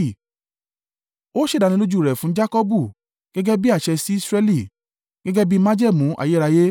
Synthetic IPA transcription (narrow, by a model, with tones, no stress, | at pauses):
o˦ʃe˦˨da˧nĩ˧˦lo˦d͡ʒu˦˨ɾɛ˨fũ˨˦d͡ʒa˦kɔ˦bu˦˨ | ɡ̥ɛ˦ɡɛ˦bi˦a˦˨ʃɛ˧si˦i˦sɾɛ˦li˦˨ | ɡ̥ɛ˦ɡɛ˦bi˦mã˦d͡ʒɛ˦˨mũ˨˦ʔa̰˨je˨˦ɾa˧je˦